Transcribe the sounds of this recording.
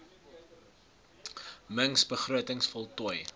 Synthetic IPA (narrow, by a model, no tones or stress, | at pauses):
məŋsbəχruətəŋsfɔlˠtuj